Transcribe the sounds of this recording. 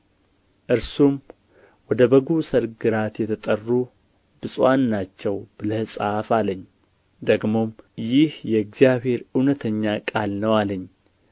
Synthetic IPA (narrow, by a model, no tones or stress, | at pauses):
ʔɨɾsum | wɔd̪əbəɡusəɾɡɨɾat̪jɛt̪ʰət̪ʼərːu | bɨsʼwanːat͡ʃːɛwbɨləhsʼafaləɲː | d̪əɡmo̞mjɪhjɛɡzijaβhe̞ɾɨwnət̪ʰəɲːakʼalnəwaləɲː